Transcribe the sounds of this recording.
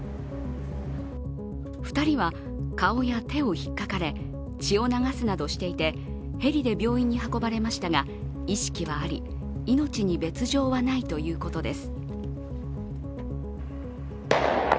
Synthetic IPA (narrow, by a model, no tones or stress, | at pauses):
ɸɯ̥t̪aɾʲiβa | kao̞jat̪e̞o̞çi̥kːakaɾe̞ | t͡ɕio̞naɡasɨnad̪o̞ɕi̥t̪e̞it̪e̞ | he̞ɾʲid̪e̞bʲo̞ːĩɲ̟ːihako̞baɾe̞maɕi̥t̪aɡa | iɕi̥kʲiβaːɾʲḭ | ino̞t͡ɕiɲ̟ibe̞t͡sɨʑo̞ːβanait̪o̞jɯ̟ːko̞t̪o̞d̪e̞sɨ̥